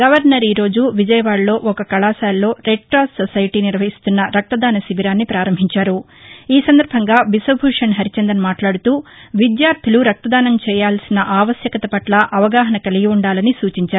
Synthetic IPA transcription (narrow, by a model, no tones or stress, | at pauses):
ɡɐʋɐɾnɐɾiːɾo̞ːd͡ʒuʋid͡ʒɐjɐʋaːɽlo̞ːʔɔkɐkɐɭaːsaːlːo̞ːɾeʈ̚ʈɾaːssɔsɐjiʈiniɾʋɐɦist̪unːɐɾɐk̚t̪ɐd̪aːnɐsibiɾaːnːipɾaːɾɐmbʱiɲt͡ʃaːɾu | iːsɐnd̪ɐɾbʱɐŋɡaːbisɐbʱuːʂɐnɦɐɾit͡ʃɐnd̪ɐnmaːʈlaːɽut̪uːʋid̪jaːɾt̪ʰiluɾɐk̚t̪ɐd̪aːnɐmt͡ʃɛːjaːlsinɐʔaːʋɐsjɐkɐt̪ɐpɐʈlɐʔɐʋɐɡaːɦɐnɐkɐliɡiuɳɖaːlɐnisuːt͡ʃiɲt͡ʃaːɾu